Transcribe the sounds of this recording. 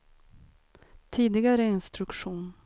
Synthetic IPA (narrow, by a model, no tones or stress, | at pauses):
t̪ʰiːd̪ɪɡaɾəɪnst̪ɾɵkɧuːn